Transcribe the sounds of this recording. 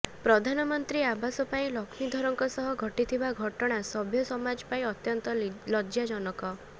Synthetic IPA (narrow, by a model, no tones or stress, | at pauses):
pɾɔd̪ʱanɔmɔnt̪ɾiabasɔpaĩlɔkʰmid̪ʱɔɾɔŋkɔsɔɦɔɡʱɔʈit̪ʰibaɡʱɔʈɔɽ̃asɔbʱjɔsɔmad͡ʒpaĩɔt̪jɔnt̪ɔlɔd͡ʒjad͡ʒɔnɔkɔ